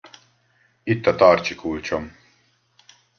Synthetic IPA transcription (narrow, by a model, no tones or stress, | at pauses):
it̪ːɐt̪ɑːrt͡ʃikʰult͡ʃom